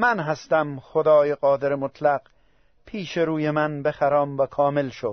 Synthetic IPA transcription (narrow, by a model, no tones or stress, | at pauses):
mænɦæst̪æmxod̪ɒːjeqɒːd̪eɾemot̪ʰlæɡ | pʰiːʃeɾuːjemænbexæɾɒːmvækʰɒːmelʃod̪̥